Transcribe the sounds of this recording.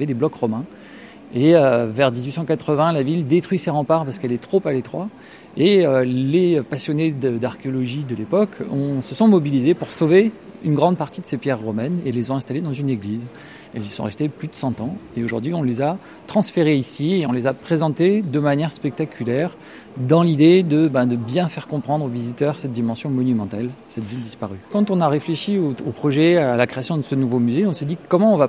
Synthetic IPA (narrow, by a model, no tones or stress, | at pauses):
vɛd̪eblɔkʁɔmɛ̃ | eøvɛʁd̪izɥisɑ̃kat̪χəvɛ̃lavild̪et̪χɥiseʁɑ̃paʁpaʁsə̥kɛlɛt̪χopalet̪χwa̰ | eøleøpasjɔned̪əd̪aʁkʲeɔlɔʒid̪əlepɔkʰɔ̃səsɔ̃mɔbilizepuʁsoveynɡʁɑ̃d̪paʁt̪id̪əsepjɛʁːɔmɛneɛlːezɔ̃ɛ̃st̪aled̪ɑ̃zyneɡliz | ɛlzisɔ̰̃ʁɛst̪eplyd̪əsɑ̃t̪ɑ̃eoʒṵʁd̪ɥiɔ̃leza | t̪χɑ̃sfeʁeisieɔ̃lezapχezɑ̃t̪ed̪əmanjɛʁspɛk̚t̪akʲʰylɛʁ | d̪ɑ̃lid̪ed̪əbɛ̃d̪əbjɛ̃fɛʁkɔ̃pχɑ̃d̪ʁovizit̪œʁsɛt̪̚d̪imɑ̃sjɔ̃mɔnymɑ̃t̪alsɛt̪vild̪ispaʁykɑ̃t̪ɔ̃naʁefleʃioopχɔʒɛaalakχeasjɔ̃d̪əsənuvomyzeɔ̃sɛd̪ikɔmɑ̃ɔ̃va